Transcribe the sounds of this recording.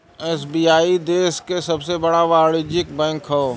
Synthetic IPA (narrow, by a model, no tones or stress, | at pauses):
ɛːsbiːaːid̪eːskesɐbsebɐɽaʋaːɽɪd͡ʒɪk̚bɛ̃ːŋkɦo